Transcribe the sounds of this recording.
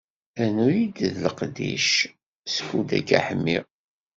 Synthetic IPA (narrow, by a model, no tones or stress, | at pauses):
ænujid̪ðləqd̪ḭʃ | sə̥kːud̪æ̰ɡæ̰ħəmːi